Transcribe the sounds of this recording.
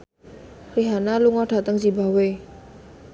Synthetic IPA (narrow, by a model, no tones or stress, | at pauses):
riɦanaluŋɔɖ̥a̤t̪əŋd͡ʒiba̤we